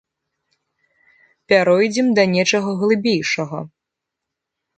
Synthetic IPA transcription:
pʲaɾɔjd͡zʲɛmd̪ɐnʲɛt͡ʂɐɣɐɣlˠɨbʲejʂɐɣɐ̰

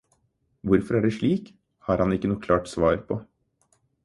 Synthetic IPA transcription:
ʋʊɾfɔɾæɖɛʂɭiːk | hɑɾhɑnɪkːənuːkʰlɑːʈsʋɑːɾpʰɔ

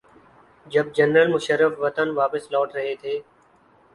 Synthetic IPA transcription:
d͡ʒəb̚d͡ʒənɾəlmʊʃəɾːəfʋət̪ənʋaːpɪslɔːʈɾəɦeːt̪ʰeː

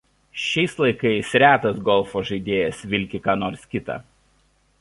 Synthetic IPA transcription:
ʃʲɛɪslˠɐɪkɐɪsʲɾʲæːt̪ɐsɡɔlˠˑfoːʒɐɪd̪ʲeːjɛsʋʲɪlʲkʲɪkɑːnoːɾskʲɪt̪ɑ̰

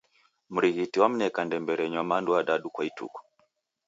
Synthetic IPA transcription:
m̩ɾiɣitiwam̩nɛkandɛmbɛɾɛɲwamanduaɗaɗukwaitṵkɔ̥

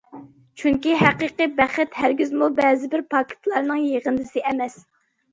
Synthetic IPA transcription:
t͡ʃʰyŋkʲiɦæqiqɨbæχɪt̪hæɾɡʲyzmulˠbɛːzɪbɪɾpʰɑkʲʰɪ̥t̪ʰlˠɑɾnɨŋjeʁɨnd̪ɨsɨʔɛmɛs

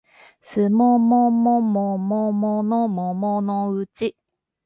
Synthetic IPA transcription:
sɨmomomomomomonomomonoɯt͡ɕi

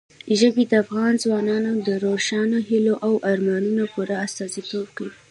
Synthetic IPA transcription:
ʒəbid̪əafɣɑnzwɑnɑnod̪əɾoʃɑnoɦiloʔawʔaɾmɑnunopuɾaːst̪ɑzit̪ob̚kawi

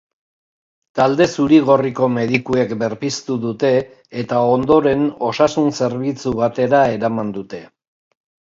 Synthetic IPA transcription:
t̪ald̪e̞suɾiɣo̞riko̞me̞ðikue̞kbe̞ɾpist̪uðut̪e̞ː | t̪ao̞nd̪o̞ɾe̞no̞sasunse̞ɾβit͡suβ̞at̪e̞ɾae̞ɾamand̪ut̪e̞

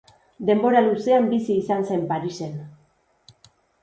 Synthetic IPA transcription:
d̪e̞mbo̞ɾaluse̞ambisiːsanse̞mpaɾise̞n

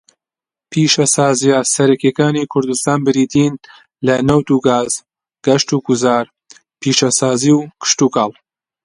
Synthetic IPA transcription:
pʰiːʃɐsaːzijasɐɾɐkekaːnikʰʊɾd̪ust̪aːnbɨɾiːt̪ʰin | lɐnɐwt̪uːɡaːz̥ | ɡ̥ɐʃt̪uːɡuzaːɾ | pʰiːʃɐsaːziːwkʰɨ̥ʃt̪uːkaːlˠ

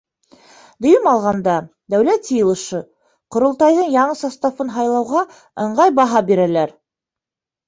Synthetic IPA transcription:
d̪ŏjɤmɑlˠʁɑnd̪ɑ | d̪æwlæt̪sɤ̆jɤ̆lˠɤ̆ʃɤ | qŏɾŏlˠt̪ɑjðɤɴjɑɴɤsɑst̪ɑfɤnɦɑjlˠɑwʁɑ | ɤ̆ɴɢɑjbɑɦɑbiɾælæɾ

